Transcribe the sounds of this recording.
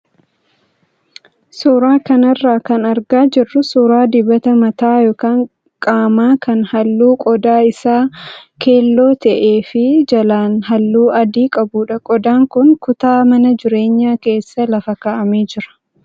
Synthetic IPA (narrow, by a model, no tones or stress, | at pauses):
suːɾaːkɐnɐrːaːkɐnɐɾɡaːd͡ʒɪrːʊsuːɾaːd̪ɪbɐt̪ɐmɐt̪aːjo̞ːkaːŋ | kʼaːmaːkʰɐnhɐlːuːkʼɔd̪aːɪsaːkʰe̞ːlːo̞ːt̪ɐʔe̞ːfɪd͡ʒɐlaːnɦɐlːuːɐd̪iːkʼɐbuːᶑɐkʼɔd̪aːŋkʊŋkʊt̪aːmɐnɐd͡ʒɪɾe̞ːɲːaːke̞ːsːɐlɐfɐkaːʔɐmeːd͡ʒɪɾɐ̥